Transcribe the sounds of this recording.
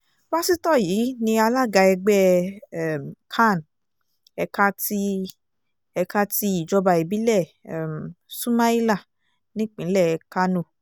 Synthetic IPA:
ba˦si˦tɔ˦˨jiː˨˦nĩ˧a˧la˦˨ɡa˧ɛ˧ɡ͡bɛ˦˨ | m˨kʰa˦˨n | ɛ˧ka˦ti˧˦ | ɛ˧ka˦ti˧˦i˨d͡ʒɔ˧ba˧i˨bi˨˦lɛ˦˨msũ˦mã˦i˦la˦˨ | nĩ˦k͡pĩ˨˦lɛ˦˨˧ka˦nũ˧˨

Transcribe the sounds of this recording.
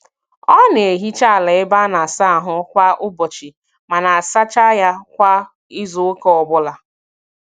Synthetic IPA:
ɔ˦n˨e˨ɦi˦t͡ʃa˦a˨le˨ɪ˦ba˦na˨sa˦a˨ɦʊ˦kʷa˦ʔʊ˦bɔ˨t͡ʃi˨ | ma˨na˨a˨sa˦t͡ʃa˦ja˦kʷa˦ | ɪ˦zʊ˨ʊ˦kɔ˨ɔ˨bʊ˦la˦

